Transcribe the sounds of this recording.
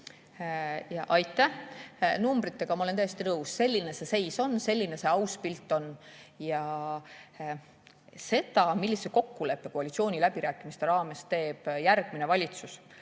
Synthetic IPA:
jɑʔɑjt̪ːˑæhnumbrit̪ːˑe̞ɡ̥ɑmɑolent̪æjest̪inɤusːe̞lʲːine̞se̞se̞jso̞nse̞lʲːine̞se̞ɑwspilt̪ːˑo̞njɑ | se̞d̪ɑmilːiseko̞kːule̞pːe̞koɑlʲit̪sio̞ːnʲilæbiɾæːkˑimist̪e̞ɾɑːme̞st̪e̞ːb̥jæɾɡ̥̚mine̞vɑlʲit̪sus

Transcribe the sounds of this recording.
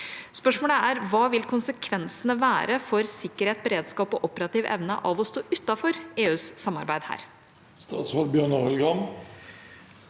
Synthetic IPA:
spœʂmoːləæɾʋɑːʋɪlkʰʊnsəkʰʋɛnsənəʋæːɾəfɔɾsɪkːəɾheːt̪̚bəɾeːd̪skɑːpɔʔɔpəɾɑt̪iːʋʔɛ̰ʋnə̰ʔɑʋɔst̪oːʔʉt̪ːɑfɔɾeːʉːsːɑmːɑ̰ɾbæɪd̪hæ̰ːɾ | st̪ɑ̰ːt̪shɔlbjøːɳɑːɛlɡɑm

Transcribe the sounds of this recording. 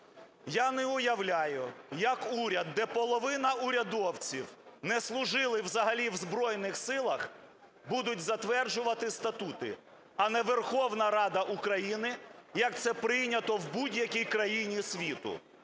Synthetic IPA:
janɛʊjɐʋlʲajʊjɐkuɾʲɐd̪ːɛpɔlˠɔʋɪnɐʊɾʲɐd̪ɔwt͡sʲiwnɛslˠʊʒɪlˠɪwzɐɦɐlʲiwzbɾɔjnɪxsɪlˠɐx | bud̪ʊt̚ʲzɐt̪ʋɛrd͡ʒʊʋɐt̪ɪst̪ɐt̪ut̪ɪ̰ | ɐnɛʋerxɔwnɐɾɑd̪ɐʔukɾɐjinɪjɐk̚t̪sɛpɾɪjnʲɐt̪ɔwbudʲjɐkʲijkɾɐjinʲisʲʋʲit̪ʊ̰

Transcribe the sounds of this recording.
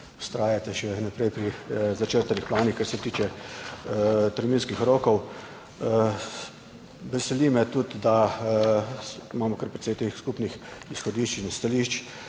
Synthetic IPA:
ʊ̥st̪ɾaːjat̪ɛʃɛnapɾɛjpɾizat͡ʃəɾt̪anixplaːnixkaɾsɛt̪iːt͡ʃɛ | t̪əɾminskixɾoːkɔw | ʋɛsɛliːmɛt̪ut̪d̪a | imaːmɔkəɾpɾɛt̪sɛjt̪eːxskupnixisxɔd̪iːʃt͡ʃinst̪aliːʃt͡ʃ

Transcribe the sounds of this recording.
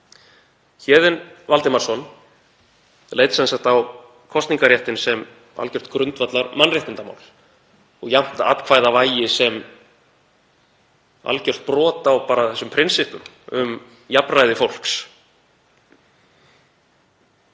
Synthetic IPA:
çɛːðɪnvalt̪ɪmaɾ̥sɔn | leːjt̪sɛnsaht̪aw | kʰɔst̪niŋkaɾjɛht̪ɪnsɛm | a̰lcœr̥t̪kɾʏnt̪vat̪laɾmanrɪht̪ɪnt̪ama̰wl | ɔɣjam̥t̪aa̰t̪kʰvaːjðavaːjɪsɛm | a̰lcœr̥t̪̚pɾɔːt̪awpaːɾaθɛsːʏmpʰɾɪnsɪhpʏm | ʏm | japrajðɪfowl̥ks

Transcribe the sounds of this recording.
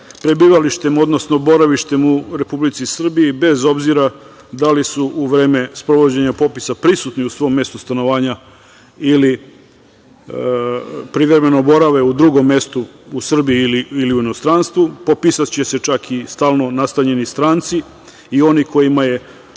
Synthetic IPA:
pɾebiːʋaliʃt̪e̞mo̞d̪no̞sno̞bo̞ɾaʋiʃt̪e̞muɾe̞publit̪sisr̩biibe̞zo̞bziɾa | d̪alisuʔuʋɾe̞ːme̞spɾo̞ʋod͡ʑe̞ɲapo̞pisapɾisut̪niusʋo̞mːje̞st̪ust̪ano̞ʋaːɲa | ili | pɾiʋeɾme̞no̞bo̞ɾaʋe̞ud̪ɾuɡo̞mːe̞st̪uusr̩biiːliːliuinost̪ɾanst̪ʋupo̞pisat̪t͡ɕe̞se̞t͡ʃakʰist̪aːlˠno̞nast̪aɲe̞nist̪ɾaːnt̪si | io̞nikʰo̞jimaje̞

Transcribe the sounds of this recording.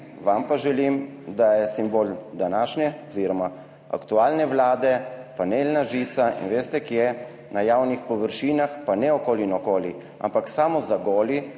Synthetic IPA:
ʋampaʒɛlimd̪ajɛsimboːld̪anaːʃnɛɔziɾɔma | a̰kt̪uaːlnɛʋlaːd̪ɛpaneːlnaʒit̪saḭnʋeːst̪ɛkjɛ | najaːwnixpɔʋəɾʃiːnaxpanɛɔkoːlinɔkoːli | a̰mpaksamɔzaɡoːli

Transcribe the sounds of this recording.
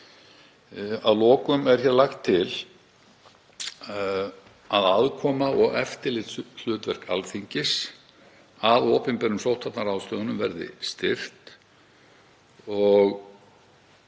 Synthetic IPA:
aðlɔːkʏmɛɾ̥çjaːɾlaxt̪ʰːɪl | aðaðkʰɔːmaɔɣɛ̰ft̪ɪlɪt̪l̥ʏːt̪vɛr̥kʰa̰lθiɲcɪs | aðoːpɪmpɛɾʏmsowht̪ʰat̪naɾawst̪œːðnʏmvɛɾðɪ̰st̪ɪr̥t̪ | ɔɣ

